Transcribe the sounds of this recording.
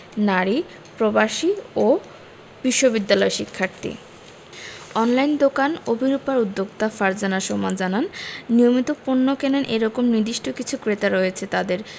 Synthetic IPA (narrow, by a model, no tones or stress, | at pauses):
naɾi | pɾobaʃio | b̥iʃːobid̪ːalɔeʃikʰːaɾt̪ḭ | ɔnlajnd̪okanobʱiɾupaɾud̪ːoɡ̚t̪afaɾd͡ʑanaʃɔmad͡ʑananːijomit̪opunːokenenʔeɾɔkomnid̪iʃʈʰokit͡ɕʰukɾet̪aɾoet͡ɕʰet̪ad̪eɾ